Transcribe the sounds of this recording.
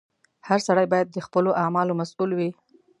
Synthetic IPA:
haɾsaɽajbɑjad̪ːəxpəloʔamɑlomasulwi

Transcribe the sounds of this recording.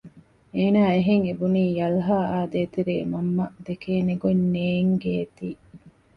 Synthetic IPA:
eːnaːeɦeŋebuniːjɐlɦaːaːd̪eːt̪eɾḛːmɐmːɐd̪ekeːneɡonːeːŋɡeːt̪iː

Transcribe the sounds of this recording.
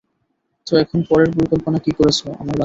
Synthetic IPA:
t͡ɕoɛkʰonpɔɾeɾpoɾikolponakikoɾet͡ɕʰoa̰maɾla

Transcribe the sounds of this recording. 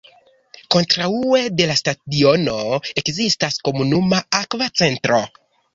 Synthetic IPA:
ko̞ntɾaue̞de̞lastadio̞no̞e̞kzistasko̞munumaakvat͡se̞ntɾo̞

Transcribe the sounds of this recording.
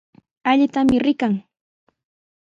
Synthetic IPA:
aʎɪt̪amɪɾɪkaŋ

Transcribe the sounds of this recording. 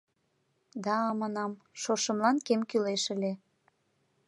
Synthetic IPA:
d̪ɑːmɑnɑmʃoʃə̆mlɑnkemkyleʃə̆lʲe

